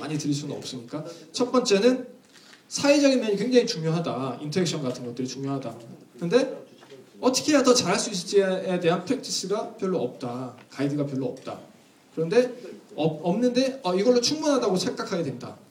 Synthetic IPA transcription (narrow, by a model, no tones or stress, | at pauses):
maɲitɯɾiɭs͈unɯnʌ̰p̚s͈ɯmɲik͈at͡ɕʰʌp͈ʌnt͡ɕ͈e̞nɯn | sʰaed͡ʑʌɡinmeɲikwe̞ŋd͡ʑaŋit͡ɕuŋjoɦadaintʰoek̚ɕʰʌnɡatʰɯnɡʌt͈ɯɾit͡ɕuŋjoɦadakɯnde̞ | ʌtʰʌ̥kʰe̞asʌt͡ɕaɾɦaɭs͈uis̬͈ɯt͡ɕ͈iede̞ɦanpʰe̞k̚t͡ɕʰis͈ɯɡapjʌɭːoʌp̚t͈akaidɯɡap̬jʌɭːoʌp̚t͈a̰ | kɯɾʌnde̞ʌʌmnɯnde̞ʌiɡʌɭːot͡ɕʰuŋmunɦadaɡosʰeŋɡakʰaɡe̞dwe̞nda̰